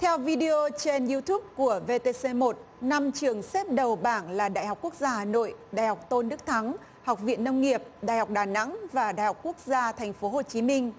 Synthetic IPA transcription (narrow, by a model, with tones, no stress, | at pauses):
t̪ʰɛ˧wvi˧ɗi˧o˧t͡ɕe˧nzi˧t̪ʰu˦˥p̚ku˧˩əve˧t̪e˧se˧mo˨˩t̚na˧mt͡ɕɨ˨˩əŋsɛ˦˥p̚ɗə˨˩wɓaː˧˩nlaː˨˩ɗa̰ː˧˨jhɦk͡p̚ku˦˥ək̚zaː˧haː˨˩no̰˧˨jɗa̰ː˧˨jha˨˩wk͡p̚t̪o˧nɗɨ˦˥k̚t̪ʰa˨˦ŋ | ha˨˩k͡p̚vḭ˧˨ənːə˧wŋ͡mŋi˨˩əp̚ɗa̰ː˧˨jha˨˩wk͡p̚ɗaː˨˩na̰˧˥ŋvaː˨˩ɗa̰˧˨jhk͡p̚ku˦˥ək̚zaː˧t̪ʰɛ˨˩ŋ̟fo˨˦ɦo˨˩t͡ɕi˨˦mï˧ŋ̟